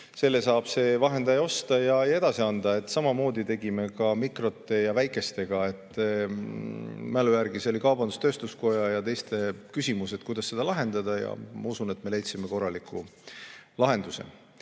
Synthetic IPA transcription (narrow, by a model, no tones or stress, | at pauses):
se̞lːe̞sɑːb̥se̞vɑɦe̞nd̪ɑjo̞st̪ɑjɑeje̞d̪̥ɑsiɑnd̪̥ɑe̞t̪ːˑsɑmɑmo̞ːd̪it̪e̞ɡ̥ime̞kɑmikro̞t̪ːˑe̞jɑvæjkːˑe̞st̪e̞ɡ̥ɑe̞t̪ːˑ | mælujæɾɡ̥iso̞likɑwbɑnd̪ust̪ø̞ːst̪usko̞jɑjɑt̪e̞jst̪e̞kysʲimuse̞t̪̚kujd̪̥ɑsːe̞d̪ɑlɑɦe̞nd̪̥ɑd̪ɑjɑ̰mɑusune̞t̪me̞lejt̪simeko̞rːɑlikʰːˑu | lɑɦe̞nd̪usḛ